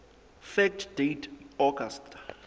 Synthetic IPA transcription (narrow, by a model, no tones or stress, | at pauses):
fɛk̚tʰd̥ejtʰɔɡastʰ